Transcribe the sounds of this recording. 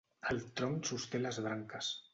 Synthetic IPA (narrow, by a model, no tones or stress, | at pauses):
alt̪ɾoŋsust̪elazβɾaŋkas